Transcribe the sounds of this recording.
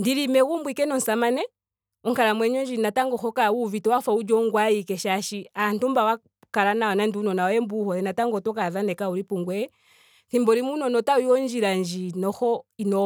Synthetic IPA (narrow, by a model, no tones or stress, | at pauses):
ndiɾimɛɣumbwikɛnɔn̩samanɛ | ɔŋkaɾamwɛɲɔnd͡ʒinataŋɡɔxɔkauvitɔwafaud͡ʒɔŋɡwaikɛʃaʃian̩tumbawa | kaɾanaɔnandiunɔnaɛmbuhɔɛnataŋɡɔtɔkaðanɛkauɾipuŋɡwɛ | θimbɔɾimunɔnɔtawiwɔnd͡ʒiɾaɲd͡ʒinɔxɔinɔ